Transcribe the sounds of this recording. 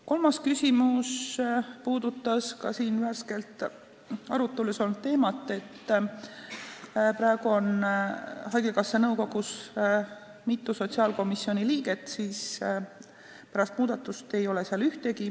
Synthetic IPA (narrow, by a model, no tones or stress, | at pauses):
ko̞lmɑskysʲimuspuːd̪ut̪ːˑɑskɑsiːnværske̞lt̪ | ɑ̰ɾut̪ːˑeluso̞lnut̪ːe̞ːmɑt̪ːˑe̞t̪ː | pɾɑeɡ̥uo̞n | hɑjɡekɑsːenɤwko̞ɡ̥us | mit̪ːˑuso̞t̪ʲsiɑːlko̞misːio̞nʲiliːɡe̞t̪ˑsiːs | pæɾɑst̪muːd̪ɑt̪ːˑust̪e̞jo̞le̞seɑlyht̪e̞ki